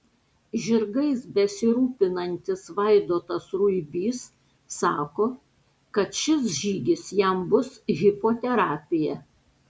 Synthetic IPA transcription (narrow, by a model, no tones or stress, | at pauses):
ʒʲɪɾɡɐɪsbʲɛsʲɪɾuːpʲɪnɐnʲt̪ʲɪsʋɐɪd̪oːt̪ɐsɾʊɪbʲiːsː | ɑːkoː | kɐt̪ʃʲɪsʒʲiːɡʲɪsjɛmbʊsɣʲɪpoːt̪ʲɛɾɑːpʲɪjɛ